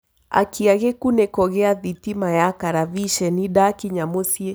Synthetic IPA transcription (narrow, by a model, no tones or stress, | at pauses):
a̰kiaɣekunekɔɣeaðitimajakaɾaβiʃɛnidakiɲamosie